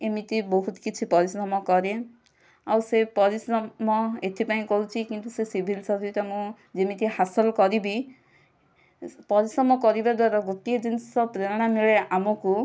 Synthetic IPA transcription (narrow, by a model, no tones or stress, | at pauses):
emit̪ibɔɦut̪kit͡ʃʰipɔɾisɾɔmɔkɔɾe | awsepɔɾisɾɔmɔet̪ʰipaĩkɔɾut͡ʃʰikint̪usesibʱilsɔɾt̪amũ | d͡ʒemit̪ihasɔlkɔɾibi | pɔɾisɾɔmɔkɔɾibad̪waɾaɡot̪ied͡ʒinsɔpɾeɾɽ̃amiɭeʔamɔku